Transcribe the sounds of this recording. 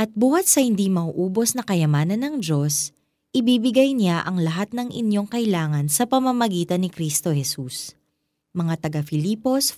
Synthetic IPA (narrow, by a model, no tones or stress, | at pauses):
ʔɐt̪̚buːhɐt̪̚sɐhɪnd̪imɐʔuʔuːbo̞snɐkɐjɐmaːnɐnːɐŋd͡ʒo̞s | ʔɪbibɪɡajnjaʔɐŋlɐɦat̪̚nɐŋʔɪ̰njo̞ŋkɐʔɪlaːŋɐnsɐpɐmɐmɐɡiːt̪ɐnːɪkɾist̪o̞hɛsus | mɐŋat̪ɐɡafɪliːpo̞s